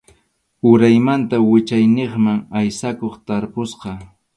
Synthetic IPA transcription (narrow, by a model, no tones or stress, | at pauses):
ʊɾajmant̪awɪt͡ʃajneχmaŋajsakoχt̪aɾpʊsqɑ